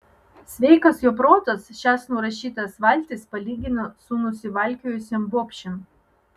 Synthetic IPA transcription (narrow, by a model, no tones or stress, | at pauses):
sʲʋʲɛɪkɐsjopɾoːt̪ɐsʃʲæːsnuɾɐʃʲiːt̪ɐsʋɐlʲt̪ʲɪspɐlʲiːɡʲɪnosʊnʊsʲɪʋɐlʲkʲojʊsʲɛmbopʲʃʲɛm